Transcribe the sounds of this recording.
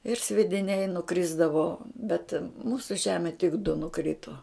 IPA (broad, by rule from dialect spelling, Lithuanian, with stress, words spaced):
ɪr sʲʋʲiɛdʲɪˈnʲɛɪ nʊˈkrʲɪzdɐʋoː bʲɛt ˈmuːsʊ ˈʒʲæːmʲɛ tʲɪk dʊ nʊˈkrʲɪtoː